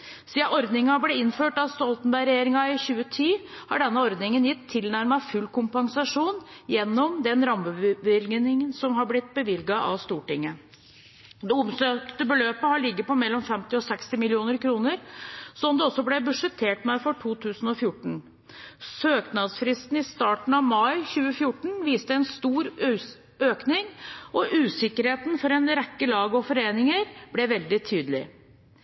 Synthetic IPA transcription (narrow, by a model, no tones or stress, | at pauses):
siːɑʔɔɾd̪nɪŋɑblɛɪnføːʈɑʋst̪ɔlt̪n̩bæɪɾɛjeːɾɪŋɑɪçʉːət̪ʰiːhɑ̰ɖɛnːəɔɾd̪nɪŋənjɪt̪ʰːɪlnæɾməɑfʉlkʊmpɑŋsɑʂuːnjɛnːɔmd̪ɛnɾɑməʋɪlɡnɪŋənsɔmɦɑblɪt̪̚ːbəʋɪlɡɑʔɑ̰ʋst̪uːʈɪŋːə | d̪ɛʊmsøːkt̪əbəløːpəhɑɭɪɡːəpɔmɛlːɔmfɛmt̪ɪɔsɛkst̪ɪmɪlɪuːnəɾkʰɾuːnəɾsɔmd̪ɛɔsːɔblɛbʉʂət̪ʰeːʈmæɪfɔʈʰuːt̪ʰʉːsn̩ɔfjʊʈɳ̩ | søːknɑd̪sfɾɪst̪n̩ɪst̪ɑːʈɳ̩ɑʋmɑɪçʉːəfjʊʈɳ̩ʋiːst̪əɛnst̪uːɾ | øːknɪŋʔɔʔʉːsɪkəɾheːt̪n̩fɔɾɛnɾɛkːəlɑːɡəɔfɔɾeːnɪŋəɾb̥lɛʋɛld̪ɪt̪ʰyːd̪əlɪ̰